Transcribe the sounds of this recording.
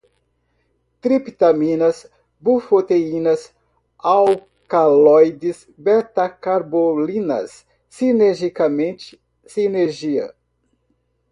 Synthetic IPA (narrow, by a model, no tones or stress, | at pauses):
t̪ɾipit̪amĩnɐs | bufot̪eĩnɐs | aw | kalɔjd̪is | bɛt̪akaɾbolĩnɐ̰sː | ineɾʒikamẽnt͡ʃɪ̥ | sineɾʒiɐ̰